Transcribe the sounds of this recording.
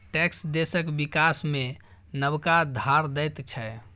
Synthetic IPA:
ʈɛksd̪esəkbikasme | nəbkad̪ʱaɾd̪ɛjt̪t͡ʃʰɛ

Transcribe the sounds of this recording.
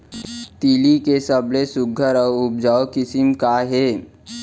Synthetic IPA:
t̪ilikesəblesʊɡʱəɾɔːʊb̚d͡ʒaːokɪsɪmkaɦɛː

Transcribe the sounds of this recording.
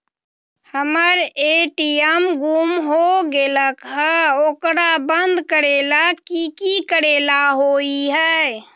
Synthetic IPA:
həməɾeʈiəmɡʱumɦoɡeləkɦəoːkɾabənd̪kəɾelakikikəɾeːlaɦoiɦɛ

